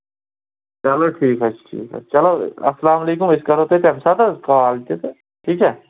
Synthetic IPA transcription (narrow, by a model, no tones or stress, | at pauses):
t͡ʃɐloːʈʰiːkɦɛʈʰḭːkɛ̰t͡ʃɐloːɐslaːmɐleːkʊmɪskɐɾoːt̪et̪ɛmsat̪akaːlt͡ʃ̪et̪e | ʈʰiːkɦɛː